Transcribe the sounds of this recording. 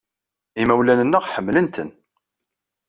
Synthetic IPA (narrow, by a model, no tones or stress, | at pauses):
imæwlænənːəʁħəmːlənt̪ən